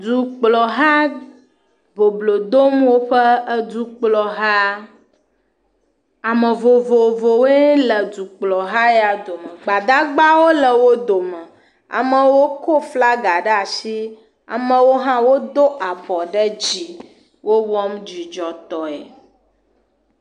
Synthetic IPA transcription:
d͡zu˨k͡plɔ˨ɦa˦ | vo˨blo˨d̪o˦mwo˦ɸə˦ə˦du˦k͡plɔ˨ɦa˦ | a˨mə˨vo˨vo˨vo˨we˦lə˨du˨k͡plɔ˨ɦa˦e˦a˨d̪o˨mə˨ɡ͡ba˨d̪a˦ɡ͡ba˦wo˦lə˨wo˦d̪o˨mə˨ | a̰˨mə̃˨wo˦ko˦fla˦ɡa˨ɖə˦a˨si˦ | a̰˨mə̃˨wo˦ɦã˦wo˦d̪o˦ʔa˨bɔ˨ɖə˦d͡ʑi˨ | wo˦wɔ˦md͡ʑi˨d͡ʒɔ˨t̪ɔ˨ḛ˨

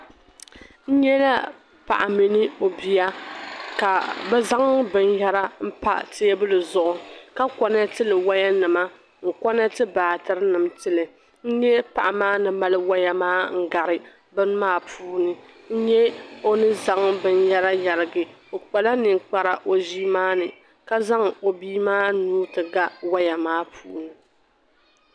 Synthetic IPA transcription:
n̩˦ɲɛ˦la˦ | pa̰˨ʔa˨mi˨nɨ˦o˨bi˨ja˦ka˨bɛ˦za˦ŋbɨ˨n˦ja˦ɾa˦m̩˦pa̰˦tja˦bɨ˦lɨ˨zʊ˨ʔʊ˨ka˦kɔ˨na˦tɨ˦lɨ˨wa˦ja˦nɨ˨ma˦ | ŋ̩˨kɔ˦na˦tɨ˦baː˨tɨ˦ɾɨ˦nɨ˨mtɨ˦lɨ˨ | n̩˦ɲɛ˦pa˨ʔa˨maː˦nɨ˨ma˦lɨ˦wa˦ja˦maː˦ŋ̩˦ɡa˨ɾɪ˨ | bɨ˦n˦maː˦pʰuː˦nɨ˦ | n̩˦ɲɛ˦o˦nɨ˦za˦ŋbɨ˨n˦ja˦la˦ja˨ɾɪ˨ɡɨ˨o˨k͡pa˨la˦nɨ˨ŋk͡pa˨ɾa˨ʔo˦ʒi˦maː˦nɨ˨ | ka˦za˦ŋo˨biː˦maː˦nuː˦tɨ˨ɡa˦wa˦ja˨maː˦pʰuː˦nɨ˨

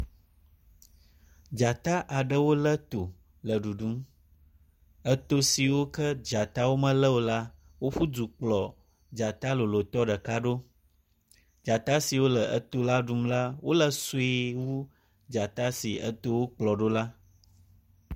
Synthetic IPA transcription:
d͡ʒa˨t̪a˦ʔa˨ɖə˦wo˦lə˦t̪o˨ | lə˨ɖu˨ɖu˦m | ə˦t̪o˦si˨wo˦kə˦d͡ʒa˨t̪a˦wo˦mə̃˦lə˦wo˦la˦ | wo˦ɸu˦du˨k͡plɔ˨ | d͡ʒa˨t̪a˦lo˨lo˨t̪ɔ˦ɖə˨ka˦ɖo˦ | d͡ʒa˨t̪a˦si˨wo˦lə˨ʔə˦t̪o˦la˦ɖu˦mla˦wo˦lə˦su˨˦i˦wu˦ | d͡ʒa˨t̪a˦si˨ə̰˦t̪o˦wo˦k͡plɔ˨ɖo˦la˦

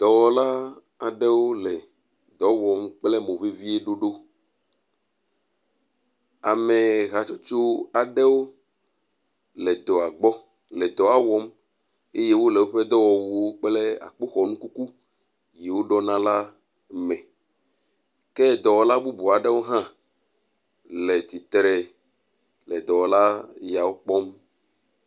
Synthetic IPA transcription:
d̪̥ɔ˨wɔ˨la˦ | a˨ɖɛ˦wo˦lɛ˨ | d̪ɔ˨wɔ˨mk͡plɛ˦mõ˨ve˦vi˦e˦ɖo˦ɖo˦ | a˨me˨ɣa˨t͡ʃo˦t͡ʃo˦a˨ɖɛ˦wo˦ | lɛ˨d̪ɔ˨a˨ɡ͡bɔ˦ | lɛ˨d̪ɔ˨a˨wɔ˦m | e˦je˦wo˦lɛ˨wo˦ɸɛ˦d̪ɔ˦wɔ˨wu˨wo˦k͡plɛ˦a̰˨k͡po˦xɔ˨nũ˦ku˦ku˦ | je˨wo˦ɖɔ˦nã˦la˦ | mɛ̃˨ | kɛ˦d̪ɔ˨wɔ˨la˦bu˦bu˨a˨ɖɛ˦wo˦ɦã˦ | lɛ˨t̪i˨t̪ɾɛ˨ | lɛ˨d̪ɔ˨wɔ˨la˦ja˨wo˦k͡pɔ˦m

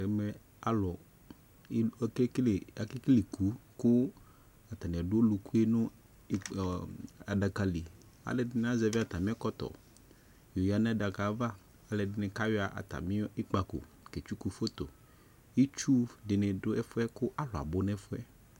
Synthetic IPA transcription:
ɛ˨˦mɛ˦ | a˦lɔ˨˦˨ | a˨ke˦kle˨ku˨˦kʊ˦ | a˨t̪a˨nɛ̃˨a˨ɖo˦o˦lu˨ku˦e˦nʊ̃˦ | a˨ɖa˨ka˨li˨ | a̰˨le˨dɪ˨˦n˦a˦zɛ˨˦vi˦a˦˨t̪a˨mĩ˦a˦kɔ˦t̪ɔ̰˨ | jo˨ja˨˦nɛ̃˦˨ɖa˨ka˨˦va˦ | a˨le˨ɖɪ˨˦nɛ˨ka˦we˦a˨ʔa̰˨t̪a̰˨mĩ˦i˦k͡pa˨ko̰˨ | ke˨t͡ʃu˦ku˨fo˦t̪o˨ | ji˦t͡ʃu˦ɖɪ˨nɛ˨ɖo˦ɛ˦fo˦ɛ˦kʊ˦ʔa˦lɔ˨a̰˨bo˦nɛ˦fo˦ɛ̰˦

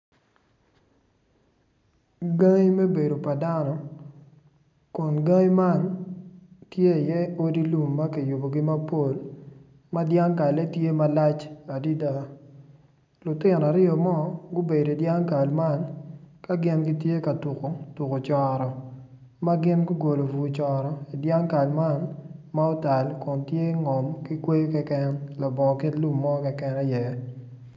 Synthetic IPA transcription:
ɡa˦ŋi˦me˦be˨do˨pa˨da˦nɔ˨ | kɔ˨nɡa˦ŋi˦ma˦n | tje˦˨jɛ˦o˦di˦lu˨mːa˦ki˨ju˨bo˨ɡɪ˦ma˦po˦l | ma˦dja˦ŋka˨le˦tje˦ma˦la˦t͡ʃa˨di˦da˦ | lʊ˨tɪ˦˨nɔ˨a˨ɾɪ˦ɔ˨mɔ˦ɡʊ˦be˨do˨i˨dja˦ŋka˨lma˦nka˦ɡɪ˦nɡi˦tje˦ka˨tu˨ko˨tu˨ko˨t͡ʃɔ˨ɾɔ˨ | ma˦ɡɪ˦nɡʊ˦ɡo˨lo˨fu˨t͡ʃɔ˨ɾɔ˨i˨dja˦ŋka˨lma˦nma˦o˦ta˨lkʊ˨ntje˦ŋɔ˨mki˦kwe˦kɛ˦kɛ˦nlɔ˨bɔ˨kɪ˦tlu˦mːɔ˦kɛ˨kɛ˦nɛ˦jɛ˨

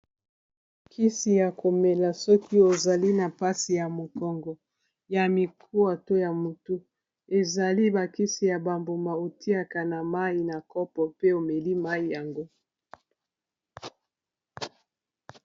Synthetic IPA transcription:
kʰi˦si˨ja˨ko˨me˨la˨sɔ˦ki˦o˨za˨li˦na˨pa˦si˨ja˨mo˨kɔ˨ŋɡɔ˨ | ja˨mi˨kʰu˦a˨to˦ja˨mu˨tu˦ | e˨za˨li˦ba˨ki˦si˨ja˨ba˨mbo˨ma˨o˨ti˦a˦ka˨na˨ma˦i˨na˨kɔ˦pɔ˨pe˦o˨me˨li˦ma˦i˨ja˨ŋɡo˦

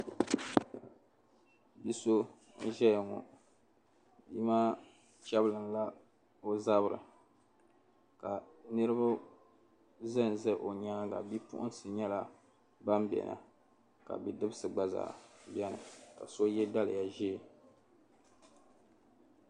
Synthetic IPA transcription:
bi˦so˦ | ʒɛ˦ja˨ŋɔ̰˨ | i˦maː˦ | t͡ʃɛ˦blɨ˨nla˦ | o˦za˦bɨ˨ɾɨ̰˨ | ka˨nɨ˦ɾɨ˦ba˦ | zɨ˦n˨zɛ˦˨ʔo˨ɲaː˦ɡa̰˨bi˦pʊ̰˦ʔʊ̰˦n˦sɨ˨ɲɛ˦la˦ | ba˦mbɛ̰˨nʔa̰˨ | ka̰˨bi˨dɨ˦bɨ˦sɨ˨ɡ͡ba˦za̰ː˨bjɛ˦nɨ̰˨ka̰˨so˦jɛ˦da˦lɨ̰˨ja˨ʒeː˦˨

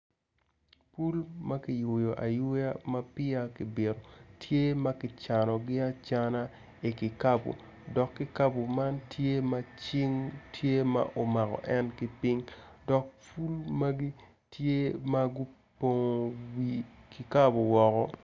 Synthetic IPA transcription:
pu˦lma˦kɪ˨jʊ˨jo˨ʔa˨jʊ˦ja˦ma˦pɪ˦a˦kɪ˨be˨ɾo˨tʰje˦ma˦kɪ˨t͡ʃa˨nɔ˨ɡɪ˦a˦t͡ʃa˦na˦ | i˨kɪ˨ka˦bo̰˨ | dɔ˨kːɪ˦ka˦bo˨ma˦ntʰje˦ma˦t͡ʃɪ˦ŋtʰje˦ma̰˦ʔo˨ma˨kɔ̰˨ʔɛ˦nkɪ˦pɪ˦ŋdɔ˨k̚pu˦lma˦ɡi˦ | tje˦ma˦ɡʊ˦ | po˨ŋo˨wi˦ki˨ka˦bo˨wɔ˨kɔ˦

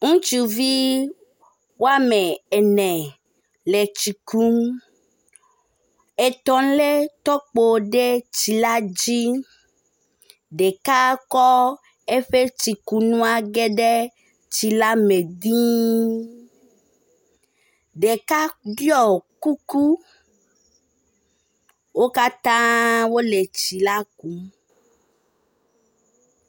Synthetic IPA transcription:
ŋũ˦t͡ʃu˨vi˦ | wo˦a˦me˨e˨nɛ̃˨ | le˨t͡ʃi˨ku˦m | e˨t̪ɔ˨˦le˦t̪ɔ˦k͡po˨ɖe˦t͡ɕi˨la˦d͡ʑi˦ | ɖe˨ka˦kɔ˦ | e˦ɸe˦t͡ɕi˨ku˦nũ˦a˦ɡe˦ɖe˦ | t͡ʃi˨la˦me˨d̪ĩ˦ | ɖe˨ka˦ɖjɔ˦˨ku˦ku˦ | wo˦ka˦t̪ã˦wo˦le˨t͡ʃi˨la˦k̚u˨˦

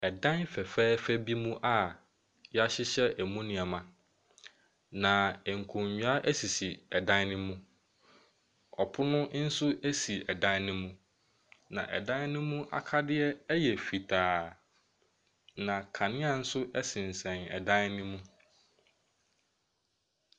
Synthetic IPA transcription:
ɛ˨dã˦nfɛ˨fɛː˦fæ˦bi˦mũ˦ʔa˨ | jɛ˦a˦ɕɪ˦ɕɛ˦ʔæ˨mũ˦nɪ̃˨a˨mã˨ | nã˨ɛ˨ŋ̩˨kʰũ˨ɲɲᶣu˨˦a˦ʔæ˦si˨si˨ɛ˨dã˦nnɪ̃˦mũ˦ | ɔ˨pʰʊ˦nʊ̃˦n̩˦sʊ˦ʔæ˦si˨ɛ˨dã˦n˦nɪ̃˦mũ˦ | nã˨ʔɛ̰˨dã˦n˦nʊ̃˦mũ˦ʔa̰˨kʰa˦dɪ˦ɛ˦jɛ˨fi˨tʰaː˨ | nã˨kʰã˨nɪ̃˦a˨n̩˦sʊ˦ʔɛ˦sɪ̃˨n˨sɛ̃˨nɛ̰˨dã˦n˦nʊ̃˦mũ˦

